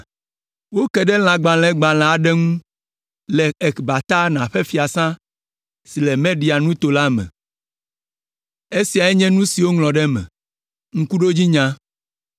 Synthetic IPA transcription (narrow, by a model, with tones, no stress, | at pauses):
wo˦kɛ˨ɖɛ˦l̃ã˨ɡ͡bã˨lɛ̃˦ɡ͡bã˨l̃ɛ̃˨a˨ɖɛ˦ŋũ˦ | lɛ˨e˨kba˨t̪a˦nã˨ɸɛ˦fi˨a˨sã˦ | si˨lɛ˨mɛ̃˦ɖi˨a˨nũ˦t̪o˨la˦mɛ̰̃˨ | e˦si˨a˨ɛ˦ɲɛ̃˦nũ˦si˨wo˦ŋlɔ̃˨ɖɛ˦mɛ̰̃˨ | ŋ̩̃˦ku˦ɖo˦d͡ʑi˦ɲã˦